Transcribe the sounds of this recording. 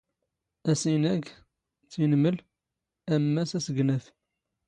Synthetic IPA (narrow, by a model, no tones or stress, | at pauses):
æsinæɡ | t͡sːinməl | æmːæsæsəɡnæθ